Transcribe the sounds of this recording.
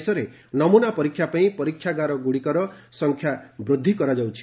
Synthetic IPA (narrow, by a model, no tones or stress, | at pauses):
sɔɾe | nɔmunapɔɾikʰːjapaĩpɔɾikʰːjaɡaɾɔɡuɽikɔɾɔsɔŋkʰjabɾud̪ʱːikɔɾad͡ʒawt͡ʃʰi̥